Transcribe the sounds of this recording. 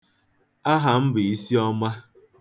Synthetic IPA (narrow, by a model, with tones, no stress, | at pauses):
a˦ɦa˨m̩˦bɪ˨i˦si˦ɔ˦ma˦